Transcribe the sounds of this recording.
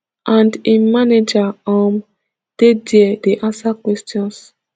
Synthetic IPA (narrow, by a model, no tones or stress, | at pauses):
ʔãndĩmaned͡ʒaam | d̥ediɛdeʔãnsakwɛstjɔ̃ns